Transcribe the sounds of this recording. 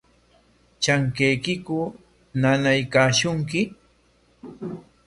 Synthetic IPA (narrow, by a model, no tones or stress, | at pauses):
t͡ʃaŋkejkɪkʊ | nanajkaːʃʊŋkɪ